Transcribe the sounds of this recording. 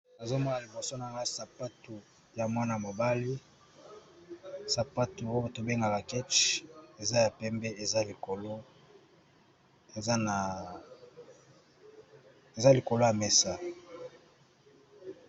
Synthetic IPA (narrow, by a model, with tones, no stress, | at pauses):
na˨zo˦mo˦na˨li˨bo˨so˦na˨ŋa˦sa˨pa˦tu˨ | ja˨mwa˦na˨mo˨ba˦li˦ | sa˨pa˦tu˨o˦jo˦to˨be˦ŋɡa˨ka˨kɛ˦t͡ʃe˨za˦ja˨pɛ˦mbɛ˦e˨za˦li˨ko˨lo˦ | e˨za˦na˨ | e˨za˦li˨ko˨lo˦ja˨mɛ˨sa˦